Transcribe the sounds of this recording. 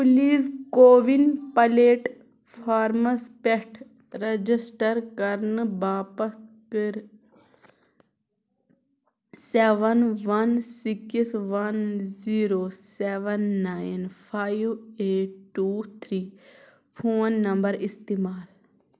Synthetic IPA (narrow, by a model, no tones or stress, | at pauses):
puliːskoːʋinpɐleːʈ | fʰaːɾmɐspeʈʰ | ɾɐd͡ʒisʈɐɾkɐɾnɨbaːpɐskɨɾ | seːʋɐnʋɐnsikisʋɐnziːɾoːseːʋɐnːaːjnpʰaːiʋeːʈːuːt̪ʰɾiː | pʰoːnːɐmbɐɾist̪imaːl